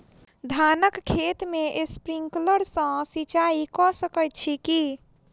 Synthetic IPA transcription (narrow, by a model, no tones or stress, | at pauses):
d̪ʱanəkkʰːet̪meʔespɾiŋkləɾsə̃sit͡ʃaikɔsəkəjt̪̚t͡ʃʰiki